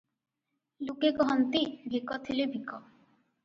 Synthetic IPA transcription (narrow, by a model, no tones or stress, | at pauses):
lukekɔɦɔnt̪ibʱikɔt̪ʰilebʱikɔ